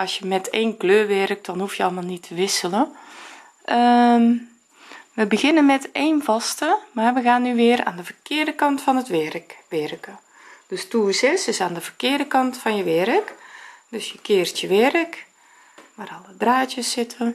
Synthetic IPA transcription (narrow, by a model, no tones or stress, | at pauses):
ɑsjəmɛtʰeːnkløːʋɛrk̚dɔnhufjəɔlˠmalˠnitʰəʋɪsələ | ʔə | ʋəbəɣɪnənmɛteːnvɑstəmarʋəɣaːnːyʋɪːəɾa̰ːndəvərkɪːrdəkɑntfɔnətʋɛrkʋɪrkə | d̥østuəsɪsɪsaːndəvərkɪːrdəkɑntfɔnjəʋɛɾəkd̥øsjəkɪːrtjəʋɛrək | marɔlˠədraːtjəsːɪtʰə